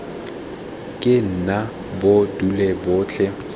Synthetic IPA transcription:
kʼɪn̩na | bodulɛbʊːt͡ɬʰɛ

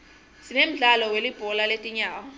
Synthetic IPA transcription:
sinem̩ɮalɔwelib̥ʱɔlaletʼiɲaːwɔ

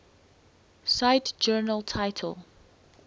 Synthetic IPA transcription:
saɪtd͡ʒɜːnəlˠtʰaɪtʰə̰lˠ

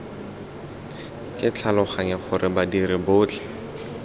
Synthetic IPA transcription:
kʼɪt͡ɬʰalʊχaŋɛχʊrɪbadiɾɪbʊːt͡ɬʰɛ̥

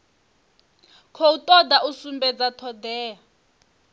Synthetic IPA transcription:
kʰɔutʼɔd̪ausumbɛd͡zatʰɔd̪ɛːa

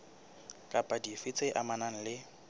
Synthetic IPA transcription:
kʼapʼadifɪt͡sʼeʔamanan̩lɪ

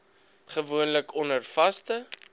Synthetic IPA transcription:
χəvuənləkɔnərfɐstə

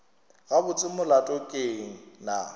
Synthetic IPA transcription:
ɣabʊt͡sʼɪmʊlatʼɔkʼeŋ̩na̰

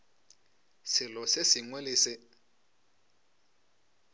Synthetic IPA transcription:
sɪlɔsɪsiŋwɛliːsɪ

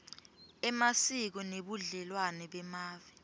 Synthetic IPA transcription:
ɛmasik̬ɔneɓuɮɛlwanɛɓɛmaːvɛ

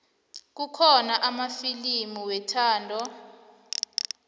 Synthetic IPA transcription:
k̬ukʰɔnaʔamafilimuwɛtʰaːndʱɔ

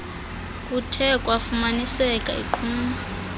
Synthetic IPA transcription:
kʼutʰɛkʼwafumanisɛkʼa̰ḭǃʰuːma

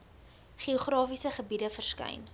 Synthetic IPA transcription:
χioχrɑːfisəχəbidəfərskɛ̰jn

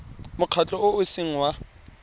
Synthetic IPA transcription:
mʊq͡χʰat͡ɬʼɔʊʊsiŋ̩wa

